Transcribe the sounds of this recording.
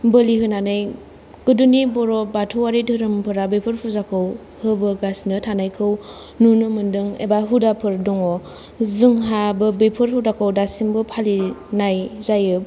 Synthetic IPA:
bɯliɦɯnanɯj | kɯdunibɔɾɔbatʰɯwaɾidʰɯɾɯmpʰɯɾabepʰɯɾpʰuzakʰɯw | hɯbɯɡasnɯtʰanajkʰɯw | nunɯmɯndɯŋḛbaɦudapʰɯɾdɔŋɔ | zɯŋɦabɯbejpʰɯɾhudakʰɯwdasimbɯpʰalinajzajɯ

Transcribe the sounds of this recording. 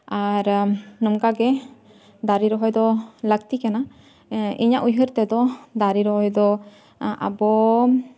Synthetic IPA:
aɾnɔmkaɡɛ | d̪aɾiɾɔɦɔjd̪ɔlək̚t̪ikana | iɲaʔujɦəɾt̪ɛd̪ɔd̪aɾiɾɔɦɔjd̪ɔ | ʔa̰bɔ

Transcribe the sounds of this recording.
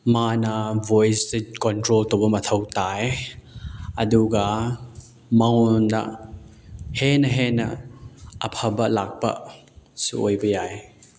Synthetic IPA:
manɐvojsekɔntɾolt̪ɔbɐmɐt̪ʰɐwt̪aj | ɐduɡɐ | mɐŋɔnda̰ | henɐɦenɐ̰ | ɐpʰɐbɐlak̚pɐ̰ʔ | siʔojbɐjaj

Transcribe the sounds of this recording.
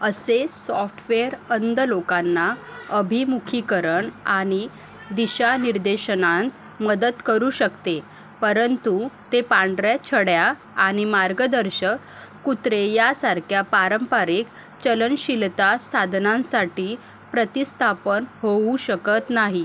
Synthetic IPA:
əsesɔfʈʰʋeəɾənd̪əlokanːaəbʱimukʰikəɾəɳaɽ̃i | d̪iɕaniɾd̪eɕənãnt̪ | məd̪ət̪kəɾuːɕəkt̪e | pəɾənt̪ut̪epaɳɖɾat͡ɕʰəɽja | aɽ̃imaɾɡəd̪əɾɕək | kut̪ɾejasaɾkʰjapaɾəmpaɾiːk | t͡ɕələnɕilt̪asad̪ʱnãnsaʈiː | pɾət̪ist̪ʰapənhouɕəkət̪naɦi

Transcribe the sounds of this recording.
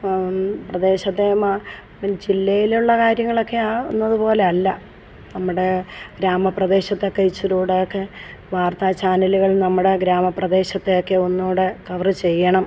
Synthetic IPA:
prɐd̪e̞ːɕɐt̪ːema | d͡ʑilːɐjiluɭːɐkaːɾjɐŋːɐɭo̞kːe̞aːunːɐðupo̞ːle̞ɐlːɐ | nɐmːuɽe̞ɡɾaːmɐprɐd̪e̞ːɕɐt̪ːekːeit͡ɕːuɾuːɽejokːe̞ | ʋaːrt̪aːt͡ɕaːnɐluɣɐɭnɐmːuɽe̞ɡɾaːmɐprɐd̪e̞ːɕɐt̪ːe̞jo̞kːe̞onːuːɽɨkɐʋrɨt͡ɕe̞jːɐɳɐm

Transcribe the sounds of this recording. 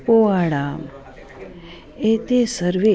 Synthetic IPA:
poaɽam | et̪esəɾʋe

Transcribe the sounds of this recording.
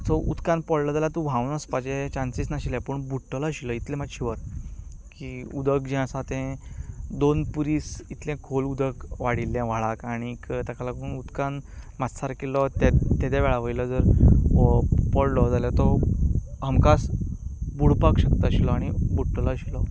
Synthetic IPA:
t̪ɔʔṵd̪kãnpɔllɔd͡zaljat̪ũbʱawnəspad͡ʑẽt͡ɕansisnaɕilãpəɳbuʈːəlaɕiləit̪lẽmaɕiʋəɾ | kiud̪əkd͡ʑɛ̃əsãt̪ɛ̃d̪onpuɾiːsit̪lɛ̃kʰolud̪əkʋaɽilːjãʋ̤aɭakaɽ̃ikt̪akʰalakuːnud̪kãnmat̪saɾkelɔt̪ɛt̪ːɛd̪aʋɛɭaʋəjlɔd͡zəɾ | pɔllɔd͡zaljat̪ɔ | ɦəmkas | buɽpakɕəkt̪aɕilɔaɽ̃ibuʈːəlaɕilɔ

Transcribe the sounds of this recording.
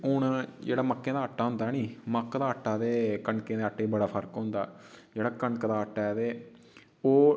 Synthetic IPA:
ʊɳd͡ʒḛːɽaːməkːẽːd̪aːəʈːaːɦʊ̃nd̪aːniːməkd̪aːəʈːaːd̪eːkəɳkẽːd̪eːəʈːeːbəɽaːpʰəɾkɦʊ̃nd̪a̰ːd͡ʒeːɽaːkəɳkd̪aːəʈːaːd̪eː | oː

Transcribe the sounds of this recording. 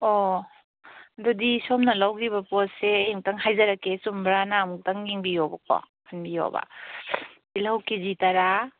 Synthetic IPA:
o | dɔdisomnɐlawɡibɐposseeŋtaŋɦajzaɾakesumbɾanamuk̚taŋːiŋbijobɐkɔ̰ | kʰanbijo̰ba̰ | ilawkizitaɾa

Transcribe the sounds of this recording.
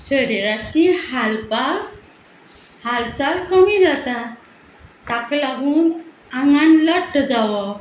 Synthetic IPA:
səɾeɾat͡ɕihalpa | halt͡salkəmid͡zat̪a | t̪aklaɡuːn | aŋɡanləʈːd͡zawə

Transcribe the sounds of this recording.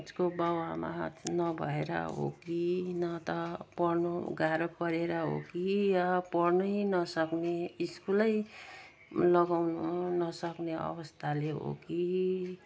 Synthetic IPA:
d͡zkobʌwama̰tnʌbʱʌ̰eɾʌ̰ɦo̰kinʌt̪ʌpʌrnuɡaɾʌpʌɾeɾʌɦo̰kijʌpʌrnʌinʌsʌkneiskulʌj | lʌɡawnunʌsʌkneʌ̰bʌst̪ʰaleɦo̰ki

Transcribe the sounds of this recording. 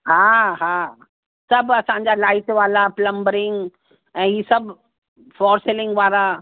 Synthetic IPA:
haɦa | sɐbɐsãɲd͡ʑalaːɪʈʋaːlaplə̃mbəɾɪŋɡ | ɛ̃ːɦiːsɐbʱ | fɔːɾselɪ̃ŋɡʋaːɾa

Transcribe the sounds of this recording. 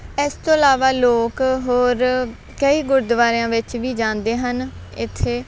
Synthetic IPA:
ɛst̪õːəlaːʋaːloːkɦoːɾ | kəiːɡʊɾd̪ʋaːɾejãːʋɪt͡ʃʋiːd͡ʒãːnd̪eːɦən | ɪ̰t̪ʰːeː

